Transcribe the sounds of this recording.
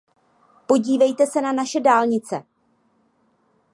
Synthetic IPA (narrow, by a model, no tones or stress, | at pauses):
po̞ɟiːvɛjt̪ɛsɛnanaʃɛdaːlɲɪt͡sɛ̰